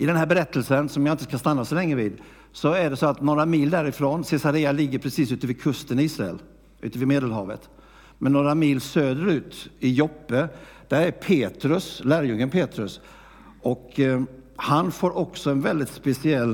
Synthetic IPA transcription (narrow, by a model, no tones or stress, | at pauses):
ʔɪd̪ɛnɦæːɾbɛɾɛt̪ːəlsənsɔmjaɪnt̪ə̥skast̪anːasɔlɛŋːɾəviːd̪ | sɔæɖɛsoːat̪noːɾamiːld̪æɾɪfɾoːnsɛsaɾeːalɪɡːəɾpʰɾɛsiːsʉ̟ːt̪əvɪkʰɵst̪əniːsɾaɛ̰l | ʔʉ̟ːt̪əvɪmeːd̪əlɦɑːvə̰t̪ | mɛnːoːɾamiːlsøːd̪əɾʉ̟ːt̪ɪjɔpːə | d̪̥æɾæɾpʰeːt̪ɾɵslæːɾjɵŋːənpʰeːt̪ɾɵs | ɔk | hanfoːɾʔɔksɔɛnvɛld̪ɪt̪spɛsɪɛlː